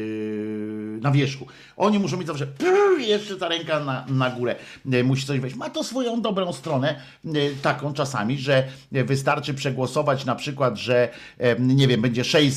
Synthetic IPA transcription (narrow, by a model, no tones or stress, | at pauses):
navʲjɛʂku | ʔɔɲimuʂ̬ɔ̃mʲjed͡ʑʲzafʂ̬ɛpjɛʂt͡ʂɛt̪aɾɛŋkananaɡuɾɛ | muɕi̥t̪ɔʑvɛt͡ɕmat̪ɔsfɔjɔ̃w̃d̪ɔbɾɔ̃w̃st̪ɾɔnɛ | t̪akɔ̃w̃t͡ʂasa̰mʲiʐɛ | vɘs̬t̪aɾt͡ʂɘpʂɛɡwɔsɔvat͡ɕnapʂɘkwad̪ʐɛ | ɲɛvʲjɛmbɛɲd͡ʑɛʂɛj